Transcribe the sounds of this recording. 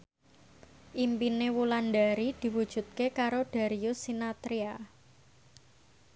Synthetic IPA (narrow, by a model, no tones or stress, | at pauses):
ʔimpinewulanɖaɾid̪̥i̤wud̥ʒ̥ṳt̪̚kekaɾoɖ̥a̤ɾiusinat̪ɾia